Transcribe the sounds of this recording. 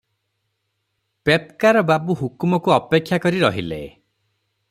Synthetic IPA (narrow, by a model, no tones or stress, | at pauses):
pepkaɾɔbabuɦukumɔkuɔpekʰːjakɔɾiɾɔ̰ɦilḛ